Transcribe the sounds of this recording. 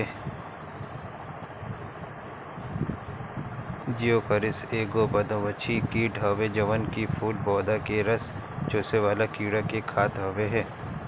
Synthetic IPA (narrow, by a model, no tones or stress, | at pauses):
d͡ʒijokəɾɪseːɡobɐd̪õʋɐt͡ʃʰikiːɖʱaʋed͡ʒɐʋənkifʰuːʈ̚bɔːd̪akeɾɐs | t͡ʃoːseʋaːlakiːɽakekʰaːt̪ɦɐːʋeɦɛː